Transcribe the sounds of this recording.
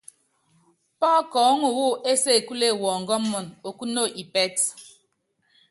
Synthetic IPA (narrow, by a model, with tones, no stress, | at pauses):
pɔ˦kɔ˨˦ŋu˨wu˦e˦se˦˨ku˦le˦˨wɔː˨ŋ˨ɡɔ˦mːɔ˨no˨ku˦no˦˨ʔi˨pɛ˦t